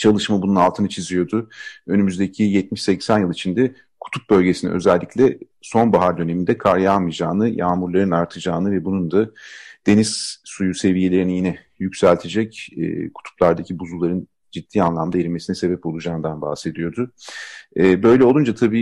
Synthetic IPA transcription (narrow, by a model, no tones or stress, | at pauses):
t͡ʃʰalˠɯʃmabununalˠt̪ʰɯnɯt͡ʃʰizijo̞d̪ʊønymyzd̪ecʰijɛt̪̚miʃsɛcsænjɯlˠit͡ʃʰind̪ɛ | kʰu̥t̪ʰup̚bø̞lʲɟe̞sinḭʔøzælʲːiclʲɛ | so̞nbaɦaɾd̪ø̞ne̞mind̪ɛkʰaɾjamɯjd͡ʒaːnɯjaːmuɾlˠaɾɯnaɾt̪ʰɯd͡ʒaːnɯvɛbunund̪ad̪̥e̞niz̥sujuse̞vije̞lʲeɾinijinɛ | jycsælʲt̪ʰe̞d͡ʒɛcɛ̰ːkʰu̥t̪ʰu̥plˠaɾd̪acʰibuzulˠaɾɯn | d͡ʒid̪̥ːiːanlˠamd̪aeɾimesinɛse̞bɛpo̞lˠud͡ʒaːnd̪anba̰hse̞d̪ijo̞d̪ʊ | ɛbø̞jlʲɛo̞lˠund͡ʒat̪ʰabiː